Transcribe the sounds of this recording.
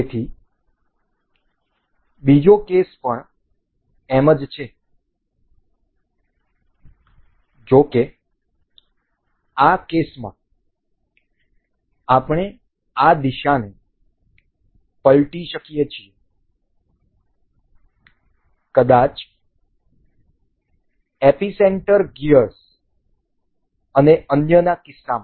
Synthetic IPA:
et̪ʰi | bid͡ʒokespəɳ | eməd͡ʒt͡ʃʰe | d͡ʒoke | akesmã̰ | apɳ̃e | ad̪iʃane | pəlʈiʃəkijet͡ʃʰie | kəd̪at͡ʃ | episeɳʈəɾɡiəɾs | əneənjənakɪsːamã

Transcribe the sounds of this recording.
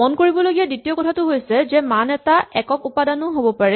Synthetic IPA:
onkoɹibɔloɡijaditiɔkɔtʰatʊɦojsɛzɛmanɛtaɛkɔkupadanʊɦobɔpaɹɛ

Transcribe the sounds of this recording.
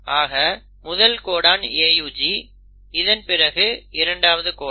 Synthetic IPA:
aːɣɐ | mʊðɐlkoːɽaːneːjuːd͡ʒi | ɪðɐnpɪrɐɣɯɪɾɐɳɖaːʋɐðɯkoː

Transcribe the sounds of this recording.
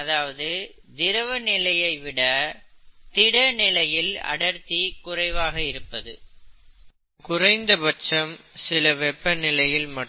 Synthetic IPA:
ɐðaːʋɐðɯ | d̪ɪɾɐʋɐnɪlɐjɐɪʋɪɽɐ | t̪ɪɽɐnɪlɐjɪlɐ̰ɽɐɾt̪ːikʊrɐɪʋaːɣɐɪɾɯpːɐðɯ̰ | kʊrɐɪnd̪ɐbɐt͡ʃɐmsɪlɐʋɛpːɐnɪlɐjɪlmɐʈː

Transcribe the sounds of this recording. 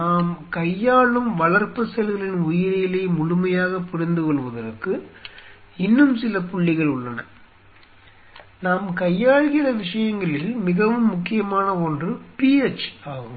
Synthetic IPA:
naːmkɐjːaːɭɯmʋɐɭɐrpːɯsɛlɣɐɭɪnʊjɪɾɪjɪlɐɪmʊɻʊmɐjaːɣɐpːɪɽɪnd̪ɯkɔɭʋɐðɐɾɯkːɯ | ɪnːɯmsɪlɐpʊɭːɪɣɐɭʊɭːɐnɐ̰ | naːmkɐjːaːɭɣɪrɐʋɪʂɐjɐŋɡɐɭɪlmɪɣɐʋɯmːʊkːɪjɐmaːnɐɔndrɯpiɛt͡ʃaːɣɯm

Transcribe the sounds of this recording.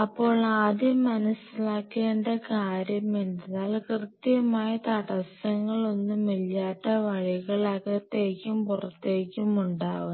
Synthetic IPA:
ɐpːo̞ːɭaːd̪jɐmːɐnɐsilaːkːeːɳɖekaːɾjɐmeɳɖɐðaːlkrɨt̪ːjijɐmaːjɐt̪ɐɽɐsɐŋːɐɭo̞nːumːiljaːʈːɐʋɐɻiɣɐɭɐɣɐt̪ːe̞ːkʲːumpurɐt̪ːe̞ːkʲːumuɳɖaːʋu

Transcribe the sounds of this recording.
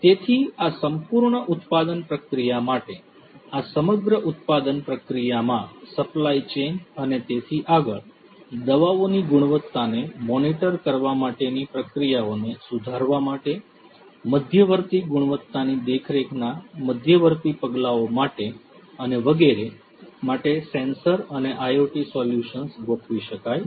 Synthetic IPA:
t̪et̪ʰiasəmpuɾɳəʔut̪pad̪ənpɾəkɾijamaʈe | asəməɡɾəʔut̪pad̪ənpɾəkɾijamãsəplait͡ʃend͡ʒənet̪et̪ʰiʔaɡəɭ | d̪əʋaoniɡuɽ̃ʋət̪ːanemɔniʈəɾkəɾʋamaʈenipɾəkɾijaonesud̪ʱaɾʋamaʈe | məd̪ʱjəʋəɾt̪iɡuɽ̃ʋət̪ːanid̪ekʰɾekʰnaməd̪ʱjəʋəɾt̪ipəɡlaomaʈe | əneʋəɡeɾe | maʈesẽnsəɾəneʔajoʈisɔljuʃənsɡokʋiʃəkaj

